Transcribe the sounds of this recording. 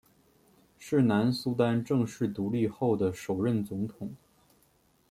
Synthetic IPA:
ʂɻ̩˥˩na˧˥nsu˥t̪a˥nʈ͡ʂɤ˥˧ŋʂɻ̩˥˩t̪u˧˥li˥˧xo˥˩ʊd̪ə˩ʂo˨˩ʊɻə˥˩nt͡sʊ˧˥ŋt̪ʰʊ˨˩˦ŋ

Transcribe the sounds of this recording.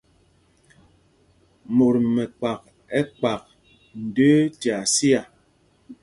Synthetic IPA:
mo˨ɾmɛ˨k͡pa˨k̚ | ɛ˦k͡pa˨k̚ | n̩˨də˦tja˨si˦a˨

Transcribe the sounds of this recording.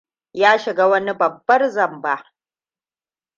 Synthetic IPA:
jaː˦ʃɪ˨ɡa˦wɐ˦ni˦bɐ˨bːɐ˦rzɐ˨mba˦ʔ

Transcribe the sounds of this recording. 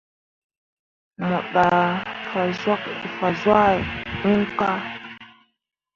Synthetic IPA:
ma˨ɓa˨fa˨zwa˦k̚i˨fa˨zwa˦˨nu˦ŋ˦ka˦

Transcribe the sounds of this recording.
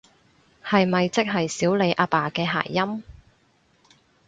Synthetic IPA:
hɐ˨jmɐ˨jt͡sɪ˥k̚ɦɐ˨jsiː˨˥wle˨˧jʔaː˧paː˨kɛː˧ɦa̰ː˨˩jːɐ˥m

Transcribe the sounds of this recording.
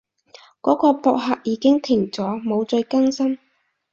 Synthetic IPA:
kɔː˨˥kɔː˧pɔː˨˧k̚ɦaː˧k̚jiː˨˧kɪ˥ŋt̪ʰɪ˨˩ŋt͡sɔː˨˥mo˨˧wt͡ʃɵ˧jkɐ˥ŋsɐ˥m

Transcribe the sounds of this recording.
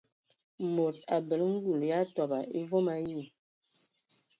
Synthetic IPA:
mo˨ta˨bə˨lŋ̩˦ɡu˨lja˦tɔ˨ba˨ʔe˦vɔ˦ma˦ji˦˨

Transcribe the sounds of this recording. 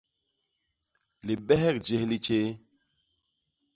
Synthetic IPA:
li˨ɓɛ˦ɦɛ˦˨k̚d͡ʒe˦hli˦t͡ʃe˦

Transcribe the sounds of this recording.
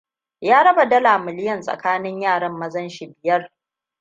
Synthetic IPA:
jaː˦ɽɐ˦ba˨dɐ˦laː˨mɪ˨lɪ˦jɐ˨nsʼɐ̰˨kaː˦nɪ˦ɲjaː˦˨ɽɐ˦mːɐ˦zɐ˦nʃi˨bɪ˨jɐ˦r

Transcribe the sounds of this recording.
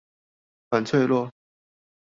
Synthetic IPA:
xa˨˩nt͡sʰwe˥˧ɪlwɔ˥˨

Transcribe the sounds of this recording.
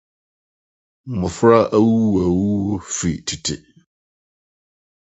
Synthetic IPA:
m̩˨mʊ̃˨fɾa˦ʔa˦wu˦wa˨wu˦wo˦fɾi˨tʰi˨tʰɪ̰˨

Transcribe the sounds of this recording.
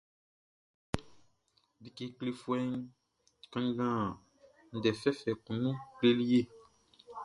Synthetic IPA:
bi˨ke˨kle˦fu˦ɛ˦n˦ | kã˦ŋ˦ɡã˦˨ | n̩˨dɛ˨fɛ˦fɛ˨kũ˨nũ˦kle˦li˦je˦

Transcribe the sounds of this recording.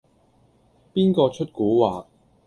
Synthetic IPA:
piː˥nkɔː˧t͡ʃʰɵ˥t̚kuː˨˥waː˨˩k̚

